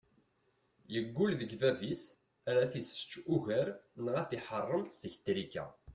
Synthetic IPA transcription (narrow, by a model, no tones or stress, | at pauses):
jəɡʷːulðəɡvævis | æɾæθisə̥t͡ʃːuʝəɾnəʁæθiħərˤːəmsəçt̪ɾikːæ̰